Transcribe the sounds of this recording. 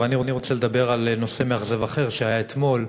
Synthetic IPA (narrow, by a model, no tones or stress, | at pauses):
eaniʁniʁo̞t͡sele̞d̪abe̞ʁalno̞se̞meaχzevaχe̞ʁʃehajaet̪mo̞l